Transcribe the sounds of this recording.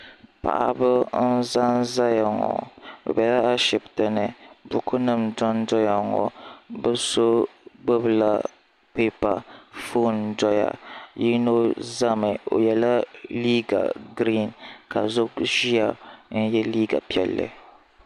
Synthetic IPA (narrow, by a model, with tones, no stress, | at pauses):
pa̰˨ʔa˨bɨ˦n̩˦za˦n˦za˦ja˨ŋɔ̰˨bɛ̰˨bɛ˨la˦a˦ʃɪ˨btɨ˨nɨ˨bʊ˦kʰʊ˦nɨ˦˨md͡ʒɔ˦ndɔ˦ja˨ŋɔ̰˨bɨ˦so˦ɡ͡bɨ˦bla˦ | peː˦pa˨fo˦ndɔ˦ja̰˨ji˦no˦za˦mɨ˨o̰˨jɛ˦la˦liː˦ɡa̰˨ɡɾi˦˨nka˨zʊ˦kʒi˦a˨n̩˦jɛ˦liː˦ɡa̰˨pi˦ɛ˨lːɨ̰˨